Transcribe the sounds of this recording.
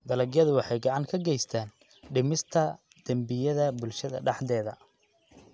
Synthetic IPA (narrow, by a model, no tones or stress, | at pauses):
d̪ɐlɐɡjɐðʊwɑħɑjɡɑʕɑŋkʰɐɡɛjst̪ʰaːn | ɖɪmɪst̪ʰɐ | d̪̥ɐmbɪjɐðɐbʊlʃɐðɐ̰ɖɑħd̪ɛːðɐ